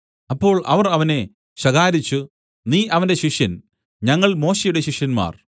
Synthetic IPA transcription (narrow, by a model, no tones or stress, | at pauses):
ɐpːo̞ːɭʔɐʋɐrɐʋɐne̞ | ɕɐɣaːɾit͡ɕːu | niːʔɐʋɐnde̞ɕiʂjɐn | ɲɐŋːɐɭmo̞ːɕejuɽe̞ɕiʂjɐnma̰ːr